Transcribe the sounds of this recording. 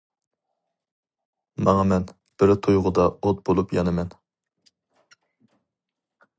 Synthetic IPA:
mɑŋɑmɛn | b̥ɪɾt̪ʰojʁʊd̪ɑot̪̚bolˠupjɑnɨmɛn

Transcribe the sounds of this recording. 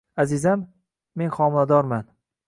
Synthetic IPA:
azɪzamː | e̞nχɒmɪlad̪ɒɾman

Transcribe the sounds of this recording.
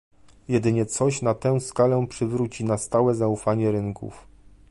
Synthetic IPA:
jɛd̪ɘɲɛt̪sɔɕnat̪ɛ̃w̃skalɛpʂɘvɾut͡ɕinast̪awɛzaufaɲɛɾɘŋkṵf

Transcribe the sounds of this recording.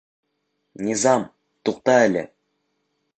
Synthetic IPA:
nʲizɑm | t̪uq̚t̪ɑælʲḛ

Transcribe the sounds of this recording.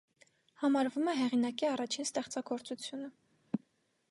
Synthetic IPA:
hɑmɑɾvumɛɦɛʁinɑkiɑrɑt͡ʃʰinst̪ɛχt͡sɑɡɔɾt͡sut͡sʰjunə

